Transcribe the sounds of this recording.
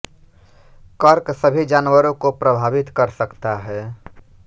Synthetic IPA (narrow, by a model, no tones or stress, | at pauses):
kəɾksəbʱid͡ʒaːnwəɾõkopɾəbʱaːʋɪt̪kəɾsəkt̪aɦɛː